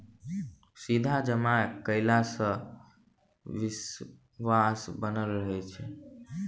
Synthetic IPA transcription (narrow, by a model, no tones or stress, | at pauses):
sid̪ʱad͡ʒəmakəɪlasə̃ | ʋis | ʋasbənəlɾəɦɛt͡ʃʰɛ